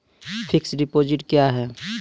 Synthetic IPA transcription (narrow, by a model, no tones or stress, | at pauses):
pʰɪksɖɪpoːd͡ʒɪʈkjaɦɛː